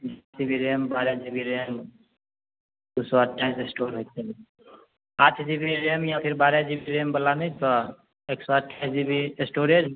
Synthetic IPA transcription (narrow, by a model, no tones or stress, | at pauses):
d͡ʒsibiɾeːmbaːɾjad͡ʒibiɾem | d̪usoaʈaɪsɪsʈoːɾɦɛt̪ele | aːt̪ʰd͡ʒibiɾeəmjapʰɪɾbaːɾjad͡ʒibiɾeːmbɐlːanɐĩt̪o | eːksoaʈaɪsd͡ʒibiɪsʈoːɾed͡ʒ